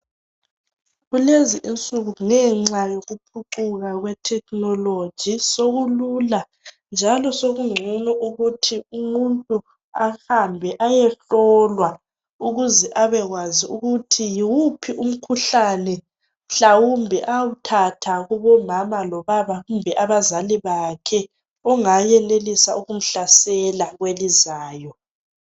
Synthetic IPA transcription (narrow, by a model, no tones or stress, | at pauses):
ɣuleziʔint͡sʼuɣuŋɛŋ͡ǀajoɣupʰuǃuɣaɣwɛtʰɛk̚ʰnɔlo̥ʒ̥ʱisoɣulula | nd͡ʒʱalɔsoɣuŋ͡ǀʱunɔʔuɣutʰiumuntʼu | ahambʱɛʔajɛɬɔlwa | uɣuzɛʔaβɛɣwaziuɣutʰijiwupʰiʔum̩kʰuɬanɛ | ɬawumbʱɛʔawutʰatʰaɣuβɔmamalɔβaβaɣumbʱɛʔaβazaliβakʰɛ | ɔŋajɛlelisauɣum̩ɬasɛlaɣwelizaːjɔ